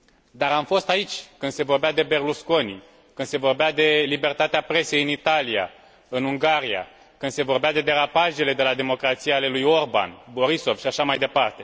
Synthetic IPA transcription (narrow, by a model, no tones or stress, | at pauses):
d̪aɾamfo̞st̪ait͡ʃʲkɨnd̪se̞vo̞rbead̪e̞be̞rlusko̞ni | kɨnd̪̥se̞vo̞rbead̪e̞libe̞rt̪at̪eapɾe̞se̞jɨnit̪alija̰ | ɨnuŋɡaɾija̰ | kɨnse̞vo̞rbead̪e̞d̪e̞ɾapaʒe̞le̞d̪e̞lad̪e̞mo̞kɾat̪sijale̞lujo̞rba̰nbo̞ɾiso̞vʃiaʃamajd̪e̞part̪e̞